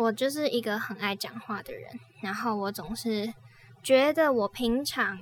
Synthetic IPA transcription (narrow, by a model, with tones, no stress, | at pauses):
wɔ˨˩t͡ɕjo˥˧ʊʂɻ̩˥˩i˧˥ɡə˧xə˨˩na˥˩ɪt͡ɕjɑ̰˨˩ŋxwa˥˩d̪ə̰˨˩ɻə̰˧˦n | na˧˥nxo˥˩ʊwɔ˨˦t͡sʊ˨˩ŋʂɻ̩˥˩ | t͡ɕɥɛ˧˥d̪ə˨wɔ˨˩pʰi˧˥ŋʈ͡ʂʰɑ˧˥ŋ